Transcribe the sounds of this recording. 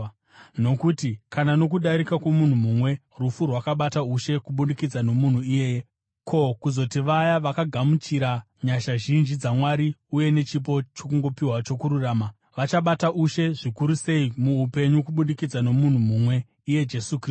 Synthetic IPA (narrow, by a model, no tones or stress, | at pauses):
no̞kutikanano̞k̬uɗaɾikakwomun̤umumwe̞ | rufurwakaɓatauʃe̞kuɓundikid͡zano̞mun̤uijeːje | kʰo̞kuzo̞tiʋajaʋakaɡʱamut͡ʃiɾa | ɲaʃaʒind͡ʒid͡zamwaɾiuje̞ne̞t͡ʃip̬o̞t͡ʃo̞kuŋɡo̞piwat͡ʃo̞kuɾuraːma | ʋat͡ʃaɓataʔuʃe̞ʐikuɾuse̞imuupe̞ɲukuɓundikid͡zano̞mun̤umumwe̞ | ije̞d͡ʒesukː